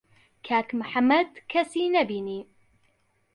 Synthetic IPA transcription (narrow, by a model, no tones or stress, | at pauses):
kʰaːkmħamːɐd̪kʰɐsiːnɐbiniː